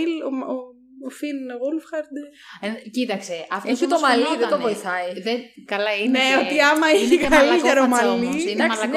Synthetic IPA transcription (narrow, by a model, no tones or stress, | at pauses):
iloo | finɣulfxɐɾd̪ | cit̪ɐkseʔɐfoçut̪omɐliðet̪ovoiθɐiðekɐlɐineot̪iɐmɐiikɐliʝɐɾomɐliinɐɐsl